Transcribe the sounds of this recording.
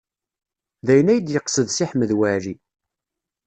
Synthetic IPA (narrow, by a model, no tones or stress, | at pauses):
ðæjənæjəd̪jəqsəðsiħməðwæɾi